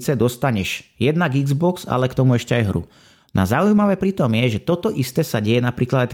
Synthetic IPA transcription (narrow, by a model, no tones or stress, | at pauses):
t͡sɛd̪ɔst̪aɲɛʃjɛd̪naɡiɡzbɔksa̰lɛkt̪ɔmuɛʃcɛajɦɾṵ | na̰zaujmaʋɛːpɾiːt̪ɔmɪɛʒɛt̪ɔt̪ɔʔist̪ɛːsaɟɛjɛnapɾiːklad̪aɪ